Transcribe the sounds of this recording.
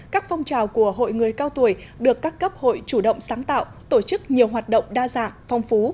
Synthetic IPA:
kaː˦˥k̚fɔ˧wŋ͡mt͡ɕaː˨˩wku˧˩əɦo̰˧˨jŋɨ˨˩əjkaː˧wt̪u˧˩əjɗɨ˨˩əkːaː˦˥kːə˦˥p̚ho̰˧˨jt͡ɕu˧˩ɗə̰˧˨wŋ͡msaː˨˦ŋt̪a̰ː˧˨wt̪o˧˩t͡ɕɨ˦˥k̚ɲi˨˩əwɦwaː˨˩t̚ɗə̰˧˨wŋ͡mɗaː˧za̰ː˧˨ŋfa˧wŋ͡mfu˨˦

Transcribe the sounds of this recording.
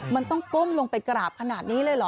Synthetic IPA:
ma˧nt̪ɔ˥˩ŋko˥˩mlo˧ŋpa˧jka˧ɾaː˨˩p̚kʰa˧naː˨˩t̪̚niː˦˥lɤː˥˩jlɔ˨˩˦

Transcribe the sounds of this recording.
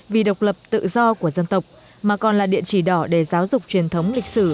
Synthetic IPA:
vi˨˩ɗə˨˩wk͡p̚lə˨˩p̚t̪ɨ̰˧˨zɔ˧ku˧˩əzə˧nt̪ə˨˩wk͡p̚ | maː˨˩kɔ˨˩nlaː˨˩ɗḭ˧˨ənt͡ɕi˧˩ɗɔ˧˩ɗe˧˩zaː˨˦wzʊ˨˩k͡p̚t͡ɕwi˨˩ənt̪ʰə˨˦wŋ͡mlï˨˩k̟̚sɨ˧˩

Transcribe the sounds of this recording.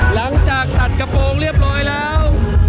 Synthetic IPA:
la˩˦ŋt͡ɕaː˨˩k̚t̪a˨˩t̪̚ka˧poː˧ŋli˥˩əp̚nɔː˧jlɛː˦˥w

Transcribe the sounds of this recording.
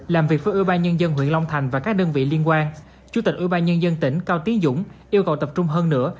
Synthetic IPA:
laː˨˩mvi˨˩ək̚və˨˦ʔi˧˦ɓaː˧nɲə˧nzə˧nɦwḭ˧˨ənla˧wŋ͡mt̪ʰa˨˩jŋ̟vaː˨˩kaː˦˥k̚ɗəː˧nvḭ˧˨li˧ənkwaː˧n | t͡ɕu˧˥t̪i˨˩k̟ʔw̰i˧˦ɓaː˧nɲə˧nzə˧nt̪ï˧˩ŋ̟kaː˧wt̪i˨˦ənzʊ̰˧˥ŋ͡mʔi˧əwkə˨˩wt̪ə˨˩p̚t͡ɕʊ˧ŋ͡mɦəː˧nːɨ̰˧˥ə

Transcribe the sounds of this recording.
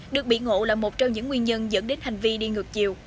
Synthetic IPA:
ɗɨ˨˩ək̚ɓḭ˧˨ŋo̰˧˨laː˨˩mo˨˩t̚t͡ɕɔ˧wŋ͡mɲɨ̰˧˥ŋːwi˧ənɲə˧nzə̰˧˥nɗe˨˦nha˨˩jŋ̟vi˧ɗi˧ŋɨ˨˩ək̚t͡ɕi˨˩əw

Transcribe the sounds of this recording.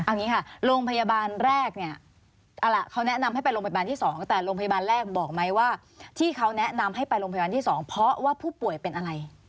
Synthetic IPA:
ʔa˧wŋiː˦˥kʰa˥˩ɾoː˧ŋpʰa˧ja˧baː˧nɾɛː˥˩k̚ni˥˩ɐ | ʔa˧la˧˩kʰa˦˥wnɛ˦˥na˧mha˥˩jpa˧jɾoː˧pʰjaː˧nt̪i˥˩sɔː˩˦ŋt̪ɛː˨˩ɾoː˧ŋpʰa˧ja˧baː˧nɾɛː˥˩k̚bɔː˨˩k̚ma˦˥jwaː˥˩ | t̪ʰiː˥˩kʰa˦˥wnɛ˦˥ʔna˧mɦa˥˩jpa˧jɾoː˧ŋpʰa˧aː˧nt̪iː˥˩sɔː˩˦ŋpʰɾɔ˦˥waː˥˩pʰuː˥˩pu˨˩əjpe˧nʔa˧ɾa˧j

